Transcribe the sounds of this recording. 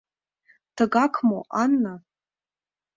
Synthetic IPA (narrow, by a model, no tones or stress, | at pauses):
tʰaɡakʷʰmoʔanːa